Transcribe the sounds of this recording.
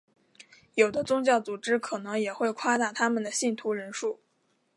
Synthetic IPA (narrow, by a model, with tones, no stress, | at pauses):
jo˨˩ʊd̪ə˦t͡sʊ˥ŋt͡ɕjɑ˥˩ʊt͡su˨˩ʈ͡ʂɻ̩˥kʰɤ˨˩nɤ˧˥ŋjɛ˨˩xwe˥˩˧ɪkʰwa˥˧t̪a˥˩t̪ʰa˥mə˨nd̪ə˩ɕi˥˩nt̪ʰu˧˥ɻə˧˥nʂu˥˩